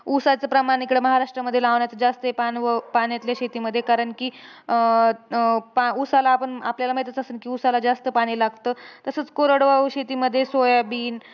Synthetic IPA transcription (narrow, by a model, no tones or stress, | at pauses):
usat͡səpɾəmaɽ̃ikɽeməɦaɾaʂʈɾəməd̪ʱjelaʋɳjat͡səd͡zast̪əepanʋəpaɳjat̪ljaɕet̪iːməd̪ʱːjekaɾəɳkiː | pausalaːpəɳapljalaməɦjt̪ət͡səsəːnkiːusalad͡zast̪əpaɽ̃ilaɡt̪əːt̪əsət͡skoɾəɽʋaʋɕet̪iːməd̪ʱːjesojabiːn